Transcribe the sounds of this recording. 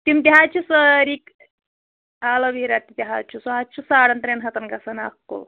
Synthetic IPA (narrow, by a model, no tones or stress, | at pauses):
t̪imt̪ʲiɦat͡ʃʰisəɾik | alɐʋiɾat̪it̪ʲiɦat͡ʃʰusuɦat͡ʃʰusaɽɐnt̪ɾenɦɐt̪ɐnkɐsɐna̰kːo̰l